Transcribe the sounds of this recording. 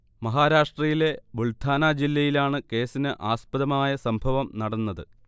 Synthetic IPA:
mɐɦaːɾaːʂʈrɐjile̞buɭt̪ʰaːnaːd͡ʑilːɐjilaːɳɨke̞ːsinɨʔaːspɐðɐmaːjɐsɐmbʱɐʋɐmnɐɽɐnːɐðɨ

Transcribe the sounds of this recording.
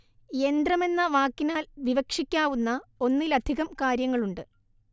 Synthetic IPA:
e̞nd̪rɐme̞nːɐʋaːkːinaːlʋiʋɐkʂikʲːaːʋunːɐo̞nːilɐd̪ʱiɣɐmkaːɾjɐŋːɐɭuɳɖɨ

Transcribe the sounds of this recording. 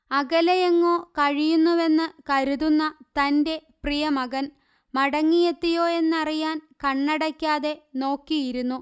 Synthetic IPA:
ɐɡɐlɐjɐŋːo̞ːkɐɻijunːuʋe̞nːɨkɐɾuðunːɐt̪ɐnde̞prijɐmɐɡɐn | mɐɽɐŋːijet̪ːijo̞ːe̞nːɐrijaːnkɐɳːɐɽɐkʲːaːðe̞no̞ːkːijiɾunːu

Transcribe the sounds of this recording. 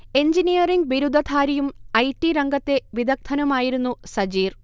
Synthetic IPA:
e̞ɲd͡ʑinijɐriŋɡ̚ʋiɾud̪ʱːɐt̪ʰaːɾijumɐjʈːiɾɐŋɡɐt̪ːe̞ʋid̪ʱɐk̚t̪ʰɐnɐmaːjiɾunːusɐd͡ʑiːr

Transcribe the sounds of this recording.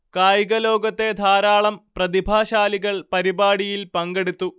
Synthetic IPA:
kaːjɣɐlo̞ːɡɐt̪ːe̞d̪ʱaːɾaːɭɐmprɐðibʱaːɕaːliɣɐɭpɐɾibaːɽijilpɐŋɡeɽut̪ːu

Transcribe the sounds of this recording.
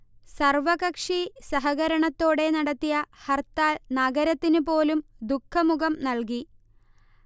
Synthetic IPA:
sɐrʋɐɣɐkʂisɐɦɐɣɐɾɐɳɐt̪ːo̞ːɽe̞nɐɽɐt̪ːijɐhɐrt̪ːaːnɐɡɐɾɐt̪ːinupo̞ːlumd̪ukʰːɐmuɣɐmnɐlki

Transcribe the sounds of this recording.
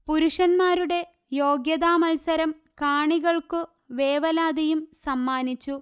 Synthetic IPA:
puɾuʂɐnmaːɾuɽe̞ | jo̞ːɡjɐðaːmɐlsɐɾɐm | kaːɳiɣɐɭkɨ | ʋeːʋɐlaːd̪ɐjumsɐmːaːnit͡ɕːu

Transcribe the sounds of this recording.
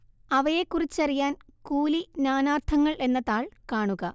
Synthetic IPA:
ɐʋɐjekːurit͡ɕːɐrijaːnkuːlinaːnaːrt̪ʰɐŋːɐɭe̞nːɐt̪aːɭkaːɳuɣɐ

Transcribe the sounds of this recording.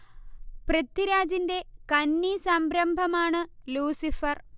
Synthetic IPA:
prɐt̪ːiɾaːd͡ʑinde̞kɐnːisɐmbɾɐmbʱɐmaːɳɨluːsifɐr

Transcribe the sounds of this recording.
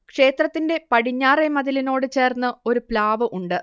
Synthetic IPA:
kʂe̞ːt̪rɐt̪ːinde̞pɐɽiɲːaːremɐðilino̞ːɽɨt͡ɕe̞ːrnːɨo̞ɾuplaːʋɨʔuɳɖɨ

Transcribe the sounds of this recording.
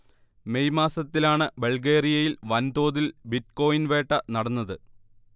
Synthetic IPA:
me̞jmaːsɐt̪ːilaːɳɨbeɭɡeːrijɐjilʋɐnd̪o̞ːðilbit̚ko̞ːjinʋe̞ːʈːɐnɐɽɐnːɐðɨ

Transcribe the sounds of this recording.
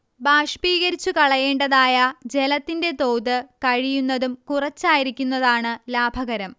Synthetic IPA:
baːʂpiːɣɐɾit͡ɕːukɐɭɐje̞ːɳɖɐðaːjɐd͡ʑe̞lɐt̪ːinde̞t̪o̞ːðɨkɐɻijunːɐðumkurɐt͡ɕːaːjiɾikʲːunːɐðaːɳɨlaːbʱɐɣɐɾɐm

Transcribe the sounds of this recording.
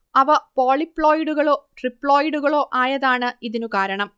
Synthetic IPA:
ɐʋɐpo̞ːɭipːɭo̞ːjɽuɣɐɭo̞ːʈripːɭo̞ːjɖuɣɐɭo̞ːʔaːjɐðaːɳɨiðinukaːɾɐɳɐm

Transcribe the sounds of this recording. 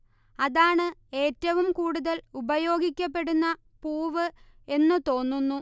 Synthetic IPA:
ɐðaːɳɨe̞ːtːɐʋumkuːɽuðɐlubɐjo̞ːɡikʲːɐp̬ːe̞ɽunːɐ | puːʋɨ | e̞nːɨt̪o̞ːnːunːu

